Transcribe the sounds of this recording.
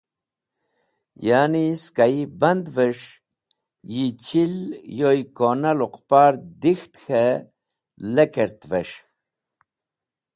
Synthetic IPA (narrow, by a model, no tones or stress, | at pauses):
jaːniskaibɐnd̪vəʂ | jit͡ɕʰiljojkonaluqpaːɾd̪ixt̪xe | lekeɾt̪veʂ